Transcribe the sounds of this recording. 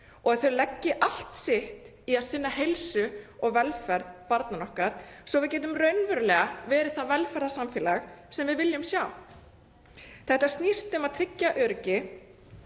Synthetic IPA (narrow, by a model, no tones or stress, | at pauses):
ɔɣaðθœɥlɛcːɪʔal̥t̪sɪht̪ | iaðsɪnːaɦejlsʏɔɣvɛlfɛɾðpaɾt̪nanɔhkaɾ̥sɔvɪðcɛːt̪̬ʏmrœɥnvʏɾlɛɣavɛːɾɪɾθaðvɛlfɛɾðasamfɪːlaxsɛmvɪðvɪljʏmsjaːw | θɛht̪ast̪nist̪ʏmaðt̪ʰɾɪcːaʔœɾcɪ